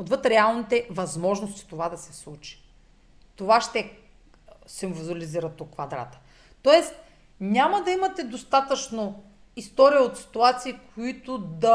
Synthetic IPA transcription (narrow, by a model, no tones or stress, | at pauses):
od̪vɤt̪ɾɛalˠnit̪ɛvɐzmɔʒnost̪i̥t̪ovad̪ɐsɛslˠut͡ʃi̥ | t̪ovaʃt̪ɛ | sɛmvuzuɐliziɾət̪okːvɐd̪ɾa̰t̪ə̥ | t̪ɔɛst̪ | nʲamɐd̪ɐimɐt̪ɛd̪ost̪at̪ət͡ʃno | ist̪ɔɾijəot̪si̥t̪uat̪siːkʰoit̪ʊd̪ɐ